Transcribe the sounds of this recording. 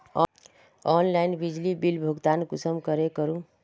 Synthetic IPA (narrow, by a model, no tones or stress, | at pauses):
ɔnlajnbid͡ʒlibilbʱuɡt̪ankusəmkəɾekəɾũ